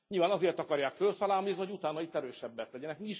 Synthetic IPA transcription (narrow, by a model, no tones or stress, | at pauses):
ɲilvaːnɒzeːrt̪ɒkɒɾjaːkfølsɒlaːlmiznihoɟut̪aːnɒit̪ːɛɾøːʃɛbːɛt̪lɛɟɛnɛkmiiʃ